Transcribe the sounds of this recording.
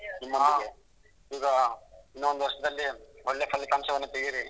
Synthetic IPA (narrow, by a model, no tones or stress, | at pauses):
nimːɐe | iːɡɐinːuond̪uʋɐɾʂɐd̪ɐlːioɭːepʰɐlːikaːmsɐʋɐnːut̪eɡiɾi